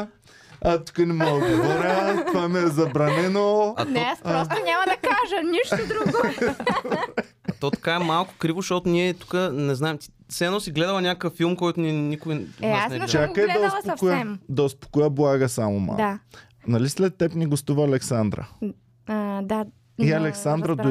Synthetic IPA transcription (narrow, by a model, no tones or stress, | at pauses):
ɐt̪u̥kənɛmɔɡɡovɔɾət̪vamɛɛzɐbɾɐnɛnoɐt̪nɔaspɾst̪onʲamɐd̪ɐkaʒəniʃt̪ʊd̪ɾuɡo | ɐt̪ɔt̪ɐ̥kaɛmalˠkʊ̥kɾivoʃt̪ot̪ʊniɛt̪u̥kənɛznaɛmt̪i̥ | sɛɛnɔsiɡlɛd̪ɐlˠɐnʲakəkəfːilˠmkɔjt̪ʊniɛnikʊianɛɛt͡ʃakəɛd̪ɐospokojəɛmd̪ɐospo̥kojəblˠaɡəsamoma̰la | nɐlislɛt̪ːɛpniɡost̪uvɐːlɛksand̪ɾɐ̰ | d̪a | iɐlɛksand̪ɾɐd̪o